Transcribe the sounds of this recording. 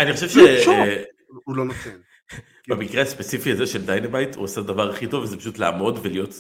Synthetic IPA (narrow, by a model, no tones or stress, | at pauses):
aniχoʃevʃeʃ | ulonot̪ʰen | bamikʁeaspe̞t͡sifiazeʃeldajnebajthṵasadavaʁaχito̞vːezepḁʃutla̰ːmo̞dvelijo̞t